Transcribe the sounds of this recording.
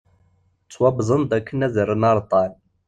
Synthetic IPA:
t͡sːwɑbzˤənd̪ækːənæðəɾənɑɾˤt̪ˤɑn

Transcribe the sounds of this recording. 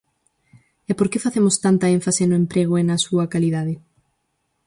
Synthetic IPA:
ɛpoɾkefaθemʊst̪ant̪ɐẽɱfasenʊẽmpɾeɣ̞oenɐsuɐkaliðað̞ɪ

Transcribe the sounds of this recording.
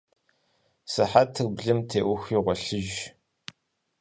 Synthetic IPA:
sɨħatʰɨrbɮɨmtʰeːʔʷʊxiːʁʷɔɬɨʒ

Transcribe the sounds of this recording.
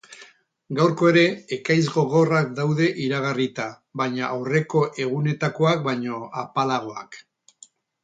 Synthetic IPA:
ɡawɾko̞e̞ɾe̞ːkajzɣo̞ɣ̞o̞rak̚d̪awðe̞ʔiɾaɣ̞arit̪a | βajɲaʔːwre̞ko̞ʔe̞ɣ̞une̞t̪ako̞ak̚baɲo̞apalaɣ̞o̞a̰k

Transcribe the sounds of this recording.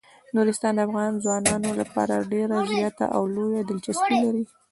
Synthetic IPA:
nuɾɪst̪ɑnd̪əafɣɑnzwɑnɑnolapɑ̰ɾa̰ɖeɾazjɑt̪a̰ʔawlojad̪ɪlt͡ʃaspilaɾi

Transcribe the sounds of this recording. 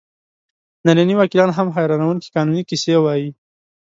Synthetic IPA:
nananiwakilɑnɦamɦajɾɑnawunki̥kɑnunikisewɑji

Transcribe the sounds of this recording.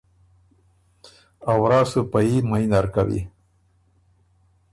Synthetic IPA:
awɾɑːsɨpajimajnaɾkawḭ

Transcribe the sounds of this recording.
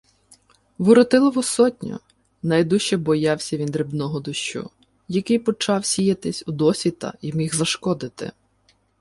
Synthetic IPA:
ʋʊɾɔt̪ɪlˠɔʋɔsɔtʲnʲʊ̰ | nɐjd̪uʃt͡ʃɛbɔjɑwsʲɐʋʲind̪ɾɪbnɔɦɔd̪ʊʃt͡ʃṵ | jɐkɪjpɔt͡ʃɑwsʲijɐt̪ɪsʲud̪ɔsʲʋʲit̪ɐ̰iwmʲiɣzɐʃkɔd̪ɪt̪ɪ̰

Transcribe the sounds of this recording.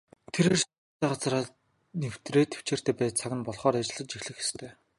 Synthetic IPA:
t̪ʰeɾeːrs | t̪æːɢat͡sraː | new̥t̪reːt̪ʰe̥w̥t͡ɕeːr̥t̪ʰæːpæːt̪̚t͡sʰaɣʲɪ̆npɔɮχɔːɾat͡ɕɪ̆ɮə̆t̪t͡ɕixɮɘ̆xe̥st̪ʰeː

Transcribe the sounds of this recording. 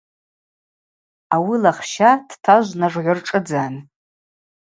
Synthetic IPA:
awilaχʃad̥tʰaʒʷnaʐʕʷʊrʈ͡ʂʼɨd͡zaːn

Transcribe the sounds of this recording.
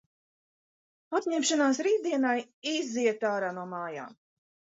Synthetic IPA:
at̪ɲɛmʃanaːsɾiːd̪iɛnajiziɛt̪aːɾaːnuɔmaːja̰ːm

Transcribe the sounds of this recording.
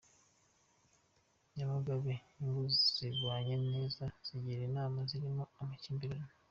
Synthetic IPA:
ɲaβaɡaβeŋɡuz̥iɡwaːɲeneːzaz̥iɟiɾenaːmaziɾimoamaciːmbiɾana

